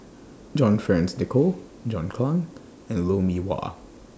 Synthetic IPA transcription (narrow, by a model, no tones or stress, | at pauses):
d͡ʒɔ̃nfɹɛ̃nsdɛkʰo | d͡ʒɔ̃nkʰlãŋ | ɛ̃nlomiwa̰